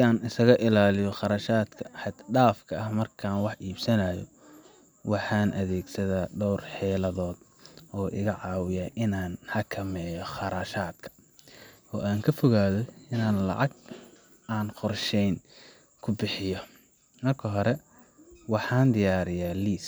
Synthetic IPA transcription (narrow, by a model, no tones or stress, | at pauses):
aːnɪsɐɣɐʔɪlaːlɪjɔχɑɾɐːʃaːd̪kʰɐħɑd̪ɖaːfkʰɐɐhmɐrkʰaːnwɑħiːbsɐnɐjɔ̰ | wɑħɑːnʔɐðɛːɡsɐðaːɖɔwrħɛːlɐðɔːd̪ʔɔːʔɪ̰ɣɐʕɑːwɪjaːʔɪnaːnhɐkʰɐmɛːjɔχɑɾaːʃaːd̪kʰɐ̥ | ɔːʔaːŋkʰɐfɔɣaːðɔɪnaːnlɑ̰ʕɑɡ | ʔaːnqɔrʃɛjn | kʰʊbɪħɪjɔ | mɐrkʰɐɦɔɾɛ | wɑħɑːnd̪ɪjaːɾɪjaːliːs